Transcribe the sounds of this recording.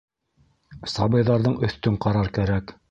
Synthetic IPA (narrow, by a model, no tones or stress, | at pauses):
sɑbɤ̆jðɑɾðɤɴɵ̆θt̪ɵɴqɑɾɑɾkæɾæk